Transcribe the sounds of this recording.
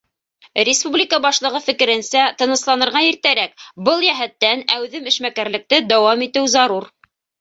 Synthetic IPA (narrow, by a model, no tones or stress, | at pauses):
rʲɪspublʲikəbɑʃlˠɤ̆ʁɤfɘ̆kɘ̆ɾɘ̆nsæt̪ɤ̆nɤ̆slˠɑnɤ̆ɾʁɑiɾt̪æɾækbɤlˠjæɦæt̪ːænæwðɘmɘ̆ʃmækæɾlɘ̆k̚t̪ɘd̪æwɑmit̪ɘwzɑɾuɾ